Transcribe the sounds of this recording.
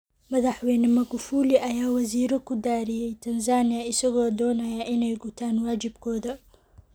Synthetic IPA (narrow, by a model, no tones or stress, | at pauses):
mɐðɑħwɛjnɐmɐɣʊfuːlɪʔɐjaːwɑziːɾɐkʰʊd̪aːɾɪjɛjt̪ʰɐnzaːnɪjɐɪsɐɣɔːd̪ɔːnɐjɐʔɪnɛjɡʊt̪ʰaːnwaːt͡ʃɪbkʰɔːðɐ